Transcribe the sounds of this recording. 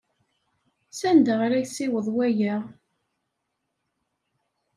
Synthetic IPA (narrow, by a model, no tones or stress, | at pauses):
sænd̪əʁɾæçsiwəðˤwæjəʁ